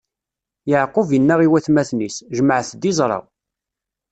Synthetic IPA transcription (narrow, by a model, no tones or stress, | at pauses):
jʕqʊvjənːæʁiwæθmæθnisʒəməʕθd̪izˤɾˤɑ̰